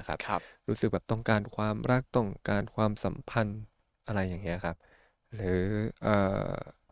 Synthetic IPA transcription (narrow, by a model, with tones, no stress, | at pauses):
a˦˥kʰa̰˦˥pʰp̚ɾuː˦˥sɯ˨˩k̚bɛː˨˩p̚t̪ɔ˥˩ŋkaː˧nkʰwaː˧mɾa˦˥˩k̚t̪ɔ˥˩ŋkaː˧nkʰwaː˧msa˩˦mpʰa˧n | ʔa˧ɾa˧jːaː˨˩ŋːi˦˥˩kʰa˦˥p̚ | ɾɯː˩˦ʔɤ̰ː˨˩